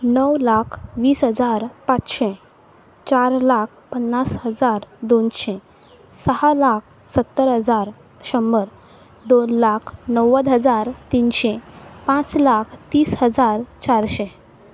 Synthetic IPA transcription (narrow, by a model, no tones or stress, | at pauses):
nəwlakʰʋiːsɦəd͡zaɾpãt͡sɕe | t͡ɕaɾlakʰpənːasɦəd͡zaɾd̪onɕẽ | səhalak̚ʰ | sət̪ːəɾɦəd͡zaɾ | ɕəmbəɾ | d̪onlakʰnəwəd̪ɦəd͡zaɾt̪inɕepãt͡slakʰt̪iːsɦəd͡zaɾt͡ɕaɾɕẽ